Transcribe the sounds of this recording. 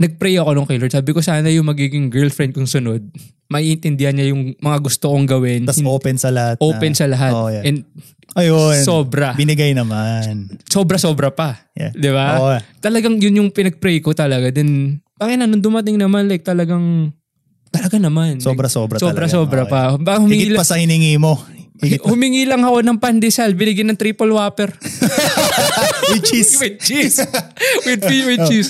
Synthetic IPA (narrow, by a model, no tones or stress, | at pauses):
nɐɡ̚pɾɛjʔɐko̞noŋkɛjlod̪saːbɪko̞saːnɐjʊŋmɐɡiːɡɪŋɡɛɹlfɾɛnd̪̚kʊŋsʊno̞d̪̚ | mɐʔiʔɪnt̪ɪnd̪ɪhɐnɲɐjʊŋmɐŋaɡʊst̪okoŋɡɐwɪnt̪ɐsoːpɛnsɐlɐhat̪ʔoːpɛnsɐlɐɦat̪ʔɛnd̪̚ | ʔɐjonso̞ːbɾɐbɪnɪɡajnɐmanso̞bɾɐso̞ːbɾɐpɐ | j̰d̪ɪbat̪ɐlɐɡaŋjʊnjʊŋpɪnɐɡ̚pɾɛjkot̪ɐlɐɡad̪ɛnbaːkɪt̪nɐnoŋd̪ʊmɐt̪ɪŋnɐmanlɐjk̚t̪ɐlɐɡaŋ | t̪ɐlɐɡanɐmansobɾɐsobɾɐsoɾɐsoːbɾɐpɐbaːkahʊmɪŋɪilpɐsɐhɪnɪŋimo̞ɡhʊmɪŋiːlɐŋɐko̞nɐŋpand̪ɪsalbɪnɪɡajnɐŋt̪ɾiːpolwaːpɛɾ | wɪt͡ʃiwɪd̪̚t͡ʃiswɪd̪̚fiwɪt͡ʃis